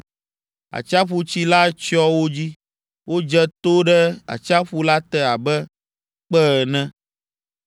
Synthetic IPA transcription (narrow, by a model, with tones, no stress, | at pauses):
a̰˨t͡ʃa˦ɸu˨t͡ɕi˦la˦t͡ʃɔ˦wo˦d͡ʑi˦ | wo˦d͡ʒɛ˦t̪o˦ɖɛ˦a̰˨t͡ʃa˦ɸu˦la˦t̪ɛ˦a˨bɛ˦ | k͡pɛ˦˨nɛ̃˦